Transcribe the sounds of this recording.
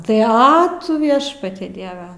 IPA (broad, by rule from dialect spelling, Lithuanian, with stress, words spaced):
tɐɪ ˈɐ tʊ ˈʋʲiɛʃpɐtʲɛ ˈdʲiɛʋʲɛ